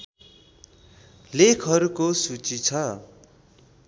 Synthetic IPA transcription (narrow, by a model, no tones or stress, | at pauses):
lekʰʌɾukosut͡sit͡sʰʌ